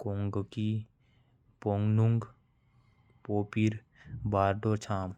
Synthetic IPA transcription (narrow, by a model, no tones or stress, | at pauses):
koːŋɡki | poːŋɡnuŋɡ | poːpiɾ | baːɾɖot͡ʃʰaːm